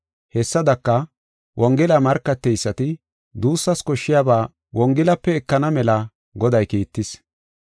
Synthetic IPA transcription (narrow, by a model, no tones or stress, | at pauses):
hɛsːɐd̪ɐkːɐ | wʔɔŋɡɛlɐmɐɾkːɐt̪ːɛjsːɐt̪ɪ | d̪uːsːɐskɔʃːɪjaːbaː | wɔŋɡɛlɐpːɛɛkːɐnɐmɛlɐ | ɡɔd̪ɐjkiːt̪ːɪs